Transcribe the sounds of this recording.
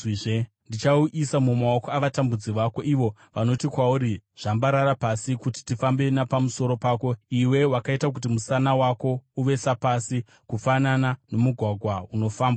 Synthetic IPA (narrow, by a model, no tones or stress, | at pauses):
ʐe | ndit͡ʃauʔisamumaokoaʋatambud͡ziʋako̞ʔiʋo̞ʋano̞tikwauɾiʐ̥ambaɾaɾapasikuti̥tifambe̞napamuso̞ɾo̞paːko̞iwe̞wakaitak̬utimusanawako̞uʋe̞sapasi | kufananano̞muɡʱwaɡʱwauno̞faːmba